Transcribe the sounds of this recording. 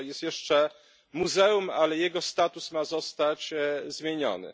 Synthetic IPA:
jɛst̪jɛʂt͡ʂɛ | muzɛumalɛjɛɡɔst̪at̪usmazɔst̪at͡ɕzmʲjeɲɔ̰nɘ̰

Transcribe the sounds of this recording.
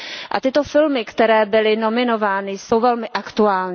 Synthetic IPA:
ʔa̰t̪ɪt̪o̞fɪlmɪkt̪ɛɾɛːbɪlɪno̞mɪno̞vaːnɪso̞wvɛlmɪʔakt̪uaːlɲ

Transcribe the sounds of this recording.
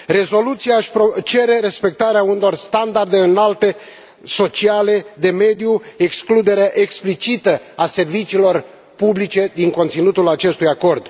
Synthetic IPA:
re̞zo̞lut̪sijaʃpot͡ʃe̞ɾe̞ɾe̞spe̞k̚t̪aɾeauneo̞rst̪and̪ard̪e̞ɨnalt̪e̞ | so̞t͡ʃiale̞d̪e̞me̞d̪ijueksklud̪e̞ɾeaʔeksplit͡ʃit̪ə | ase̞rvit͡ʃiːlo̞r | publit͡ʃe̞d̪iŋko̞nt̪sinut̪ulat͡ʃe̞st̪ujako̞rd̪

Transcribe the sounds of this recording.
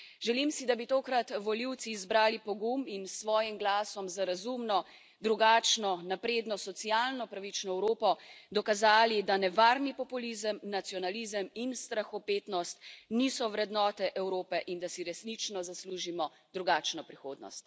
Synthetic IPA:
ʒɛlimsid̪abit̪oːkɾat̪ʋɔliwt̪siːzbɾaːlipɔɡuminsʋɔːjimɡlaːsɔmzaɾazumnɔ | d̪ɾuɡaːt͡ʃnɔnapɾeːd̪nɔsɔt̪sijaːlnɔpɾaʋit͡ʃnɔɛwɾoːpɔd̪ɔkazaːlid̪anɛʋaːɾnipɔpulizəmnat̪sijɔnalizəminst̪ɾaxɔpeːt̪nɔst̪nisɔʋɾɛd̪nɔːt̪ɛʔɛwɾoːpɛʔind̪asiɾɛsnit͡ʃnɔzasluːʒimɔ | d̪ɾuɡaːt͡ʃnɔpɾixoːd̪nɔ̰st̪

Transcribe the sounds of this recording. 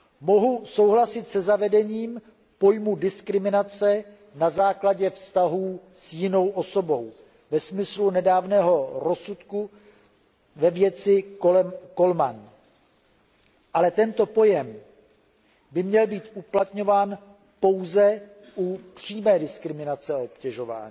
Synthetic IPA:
mo̞ɦuso̞wɦlasɪt̪sɛzavɛdɛɲiːm | po̞jmudɪskɾɪmɪnat͡sɛ | nazaːklaɟɛfst̪aɦuːsjɪno̞wʔo̞so̞bo̞w | vɛsmɪslunɛdaːvnɛːɦo̞ɾo̞sut̪ku | vɛvjɛt͡sɪoko̞lman | ʔalɛt̪ɛnt̪o̞po̞jɛm | bɪmɲɛlbiːt̪ʔuplat̪ɲo̞vaːn | po̞wzɛ | ʔupr̝̥iːmɛːdɪskɾɪmɪnat͡sɛaopcɛʒo̞va̰ːɲiː

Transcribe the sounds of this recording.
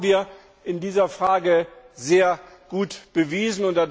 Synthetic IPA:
viːɐ | ʔɪndiːzɐfʁ̥aːɡə | zeːɐɡ̥uːtb̥əviːzn̩ʊntd̥ad

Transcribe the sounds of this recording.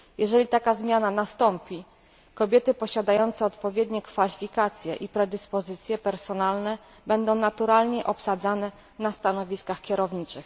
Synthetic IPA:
jɛʐɛlʲit̪akazmʲjananast̪ɔmpʲi | kɔbʲjɛt̪ɘpɔɕad̪ajɔnt̪sɛɔt̪pɔvʲjɛd̪ɲɛkfalʲifʲikat̪sʲjɛ̰ʔipɾɛd̪ɘspɔzɘt̪sʲjɛpɛɾsɔnalnɛ | bɛnd̪ɔ̃w̃nat̪uɾalɲɛʔɔpsad̪zanɛ | nast̪anɔvʲiskaxkʲɛɾɔvɲit͡ʂɘx

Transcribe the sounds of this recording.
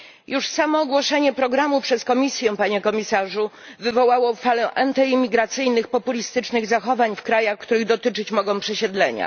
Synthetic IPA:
juʂsamɔːɡwɔʂɛɲɛpɾɔɡɾamupʂɛskɔmʲisʲjɛ̃paɲɛkɔmʲisaʐu | vɘvɔwawɔfalɛʔant̪ɛimʲiɡɾat̪sɘjnɘxpɔpulʲist̪ɘt͡ʂnɘɣzaxɔvaɲfkɾajaxkt̪uɾɘɣd̪ɔt̪ɘt͡ʂɘt͡ɕmɔɡɔ̃w̃pʂɛɕɛd̪lɛɲa̰

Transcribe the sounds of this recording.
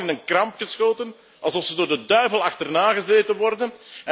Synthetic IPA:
ɪnənkrɑmpxəsxoːtən | ɑlˠzɔfsədʊːrdədœɥvəlˠɑxtərnaːɣəzeːtənʋɔrdənɛ

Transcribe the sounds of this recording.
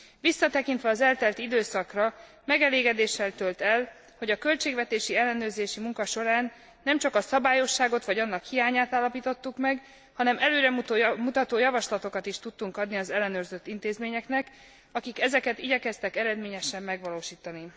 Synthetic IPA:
ʋisːɒt̪ɛkint̪ʋɛɒzɛlt̪ɛlt̪id̪øːsɒkrɒ | mɛɡɛleːɡɛd̪eːʃːɛlt̪ølt̪ɛl | ho̞ɟɒkø̞lt͡ʃeːɡʋɛt̪eːʃiɛlːɛnøːrzeːʃimuŋkɒʃo̞ɾaːnː | ɛmt͡ʃɒkɒsɒbaːjo̞ʃːaːɡo̞t̪ʋɒɟɒnːɒkhijaːɲaːt̪aːlːɒpiːt̪o̞t̪ːukmɛɡ | hɒnɛmɛløːɾɛmumut̪ɒt̪oːjɒvɒʃlɒt̪o̞kɒt̪iʃt̪ut̪ːuŋkɒd̪niɒzɛlːɛnøːrzø̞t̪ːint̪eːzmeːɲɛknɛk | ɒkikɛzɛkɛt̪iɟɛkɛst̪ɛkɛɾɛd̪meːɲɛʃɛmːɛɡvɒloːʃiːt̪ɒni

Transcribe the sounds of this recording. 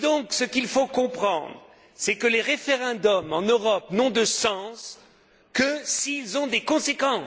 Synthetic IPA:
d̪ɔ̃ksəkilfokɔ̃pχɑ̰̃d̪ʁ | sɛkəleʁefeʁɑ̃d̪ɔmɑ̃nøʁɔpnɔ̃d̪əsɑ̃s | kəsiːlzɔ̃d̪ekɔ̃sekɑ̃

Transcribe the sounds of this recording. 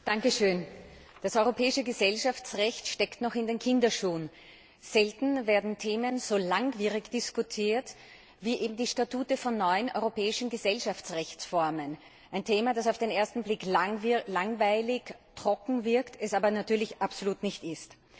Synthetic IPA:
d̥aŋkəʃøːnd̥asɔʏʁopʰɛːɪʃəɡəzɛlʃaft͡sʁɛçtʃtɛktnɔχɪndeːnkʰɪndɐʃuːn | z̥ɛltn̩veːɐdn̩tʰeːmənz̥oːlaŋviːʁɪçd̥ɪskʊtʰiːɐt | viːʔeːbm̩diːʃtatuːtəfɔnːɔʏənʔɔ̰ʏʁopɛːɪʃn̩ɡəzɛlʃaft͡sʁɛçt͡sfɔɐmən | ʔaɪntʰeːmad̥asaʊfd̥enʔeːɐstn̩blɪklaŋvlaŋvaɪlɪçtʁ̥ɔkŋ̩vɪɐktɛsaːbɐnatʰyːɐlɪçʔapsoluːtnɪçtɪst

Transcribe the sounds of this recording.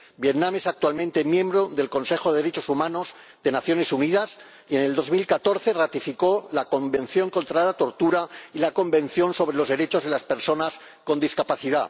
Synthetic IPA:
bjet̪nãme̞sak̚t̪walmẽnt̪e̞mjẽ̞mbɾo̞ðe̞lko̞nse̞xo̞ðeðɾe̞t͡ʃo̞sumãno̞z | ðe̞naθjo̞ne̞suniðas | ie̞ne̞ld̪o̞zmilkat̪o̞ɾθe̞rat̪ifiko̞lako̞mbẽ̞nθjo̞ŋko̞nt̪ɾalat̪o̞ɾt̪uɾailako̞mbẽ̞n̟θjo̞nso̞β̞ɾe̞lo̞zðe̞ɾet͡ʃo̞zð̞e̞laspe̞ɾso̞nas | ko̞nd̪iskapaθiða

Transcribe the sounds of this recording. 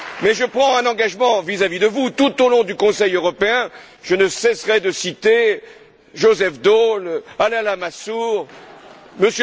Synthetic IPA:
mɛʒəpχɑ̃ɛ̃nɑ̃ɡaʒmɑ̃vizavid̪əvut̪ut̪olɔ̃d̪ykɔ̃sɛjøʁɔpeɛ̃ | ʒ̥ənəsɛsʁɛd̪əsit̪e | ʒozɛfd̪olalɛ̃lamasuʁ | məsj

